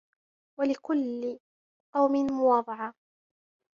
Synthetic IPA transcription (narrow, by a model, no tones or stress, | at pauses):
walɪkʊlːɪ | qɑwmɪnmʊwɑːðˤɑʕɑ